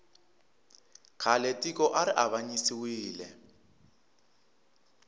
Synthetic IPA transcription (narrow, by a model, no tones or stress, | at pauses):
kʰaletʼikʼɔʔaɾɪʔaβaɲisiwiːlɛ̰